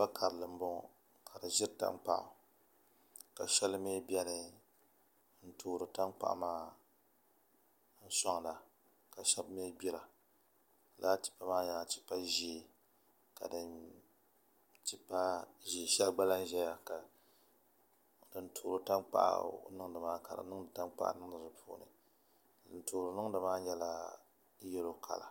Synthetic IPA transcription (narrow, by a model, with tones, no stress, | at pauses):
ba˦kʰa˨ɾɨ˨lɨ˨m̩˦bɔ˦ŋ˨ | kʰa˨dɨ˨ʒɪ˦ɾta̰˦nk͡pa̰˦ʔʊ̰˨ | ka˨ʃɛ˦lɨ˦meː˦bjɛ˦nɨ˨˦ | n̩˦tʰoː˦˨ɾɨ˨ta˦nk͡pa̰˦ʔmaː˦ | n̩˦sɔ˦ŋ˨la˨ | ka˨ʃɛ˦bme˦bi˦ɾa˨ | laː˦ti̥˦pːa˦maː˦ɲa˨t͡ʃi̥˦pa˦ʒe˦˨ | ka˨dɨ˨n | t͡ʃi˦pːa˦ʒe˨ʃɛ˦lɡ͡ba˦la˦n˦ʒɛ˦ja˨ka˨ | dɨ˨ntʰoː˨ɾo˨ta˦nk͡pa̰˦ʔnɨ˦ŋ˦dɨ˨maː˦ka˨ɾa̰˨˦nɨ˦ŋɨ˨ta˦nk͡pa̰˦ʔnɨ˦ŋ˦dɨ˨dɨ˨pʰo̰ː˦nɨ̰˨ | n̩˦toː˨ɾɨ˨nɨ˦ŋ˦dɨ˨maː˦ɲɛ˦la˦ | jɛ˦lo˦kʰa̰˨la̰˨